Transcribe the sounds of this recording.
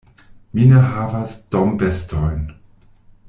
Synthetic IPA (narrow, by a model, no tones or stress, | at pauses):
mineɦavasd̥ombestojn